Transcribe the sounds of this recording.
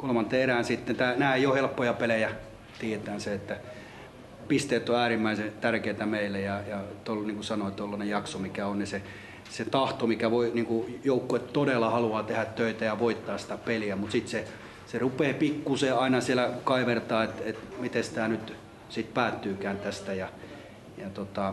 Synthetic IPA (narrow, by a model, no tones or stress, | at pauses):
kolmɑnt̪eːeræːnsit̪ːent̪æːnæːeijohelpːojɑpelejæ | t̪iet̪æːnseet̪ːæ | pist̪eːt̪ːoæːrimːæiset̪ærkeit̪æmeilːejɑjɑt̪olniːŋkusɑnoit̪olːɑnejjɑksomikæonnise | set̪ɑht̪omikæʋoiniŋkujoukːoett̪odelːɑhɑluɑːt̪ehæt̪tøit̪æjɑʋoit̪ːɑːssi̥t̪æpeliæmut̪sit̪se | serupeːpikːuseɑinɑsielækɑiʋert̪ɑːet̪et̪mit̪esi̥t̪ænyt̪ | sit̪̚pæːt̪ːyːkæːnt̪æst̪æjɑ | jɑt̪ot̪ɑ